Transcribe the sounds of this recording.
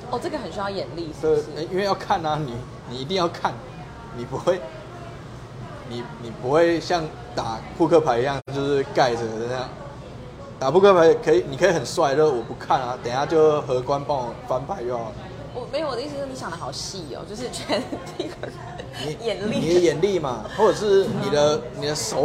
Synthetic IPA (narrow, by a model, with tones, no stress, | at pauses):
ɔ˥˨ʈ͡ʂɤ˥˩ɡə˩xə˨nɕy˧˥jɑ˥˩jɛ˨˩nli˥˩t̪e˥˧˩e˥˩i˥˦nwe˥˧jɑ˥˧ʊkʰa˥˨na˨ni˨˩ | ni˨˩i˧˥t̪i˥˧jɑ˥˧ʊkʰa˥˩n | ni˨˩pu˧˦xwe˥˨ɪ | ni˨˩ni˨˩pu˧˦xwe˥˧ɪɕjɑ˥˩ŋ | t̪a˨˩pʰu˥˧kʰɤ˥˧˩pʰa˧˥ɪi˧jɑ˥˧ŋt͡ɕjo˥˧ʊʂɻ̩˥˧ka˥˩ɪʈ͡ʂə˨˩˨ə˦n˥˦jɑ˥˩ŋ | t̪a˨˩pʰu˥˧kʰɤ˥˩pʰa˧˦ɪ˨kʰɤ˧˥i˨˩ni˨˩kʰɤ˧˥i˨˩hə˨˩nswa˥ɪt͡ɕo˥˧ʂwɔ˨˩pu˧˥kʰa˥˨na˨˩t̪ə˨˩na˥˩t͡ɕjo˥˧ʊxɤ˧˥kwa˦npɑ˥˩ŋɔ˨˩fa˦npʰa˧˦ɪo˥˧˩ | wɔ˨me˧˥jo˨wd̪ə˦i˥˧s̬̩˧˥˩ni˧˥ɕjɑ˨ŋdə˦xɑ˨˩ʊɕi˥˩o̰˨˩t͡ɕjo˥˧ʊʂɻ̩˥˧t͡ɕʰɛ˧˦nt̪i˥˧kə˧ | ni˨˩ɛ˨˩n˥ni˨˩d̪ə˦jɛ˨˩nli˥˨ma˨wɔ˥˩ɤ˨˩ʂɻ̩˥˩ni˨˩d̪ə˦ni˨˩d̪ə˦ʂo˧˦